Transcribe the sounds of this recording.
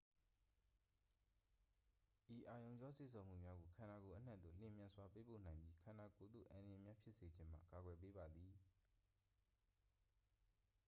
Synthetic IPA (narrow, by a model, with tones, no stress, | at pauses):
ʔi˨ʔa˨jõ˨ʊ̃ɲd͡ʑɔ˦sḛ˦˨sʰõ˨m̥ṵ˦˨mja˦ɡo˨kʰã˨na˨ko˨ʔə˦n̥ã̰˦ʔ̪d̪ðo̰˦˨l̥ɪ̃˨mjã˨swa˦pe˦po̰˦˨nã˨ɪ̃mbji˦kʰã˨na˨ko˨d̪ðo̰˦˨ʔã˨nə˨jɛ˨mja˦pʰjɪ˦ʔse˨d͡ʑɪ̃˦m̥a̰˦˨ka˨ɡwɛ˨p̬e˦ba˨d̪ði˨